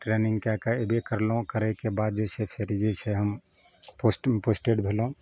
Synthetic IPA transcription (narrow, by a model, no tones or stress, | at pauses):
ʈɾɛniŋɡkakaebʱekəɾlũkəɾɛkebad̪̚d͡ʒesʰɛpʰeɾid͡ʒet͡ʃʰɛɦəm | posʈposʈeɖbʱelũ